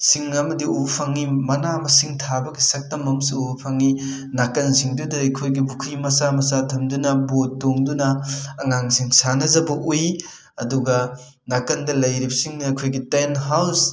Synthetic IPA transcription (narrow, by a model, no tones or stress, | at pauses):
siŋɐmɐdiupʰaŋimɐnamɐsiŋtʰabɐɡisɐk̚tɐmɐmsiupʰaŋi | nakɐnziŋdudɐɐjkʰojɡibukʰimɐsamɐsatʰɐmdunɐbotːoŋdunɐːŋaŋsiŋsanɐzɐbɐʔuj | ɐduɡɐ | nakɐndɐlɐjɾip̚siŋnɐkʰojɡitenɦaws